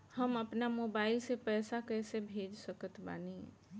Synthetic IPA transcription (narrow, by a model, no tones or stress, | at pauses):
həməpnamoːbaːɪlsepɛːsakɛːsebʱeːd͡ʒsəkət̪ba̰ːniɦɛ̰̃ː